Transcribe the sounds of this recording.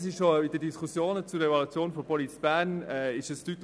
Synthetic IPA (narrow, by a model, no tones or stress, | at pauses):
s̬ɪʃʃoɪd̥ədiskʰusjoːnət͡sʊɾɛvɑlut͡sjoːnfɔpʰɔlit͡sb̥æːnɛːɪʃəstyt̪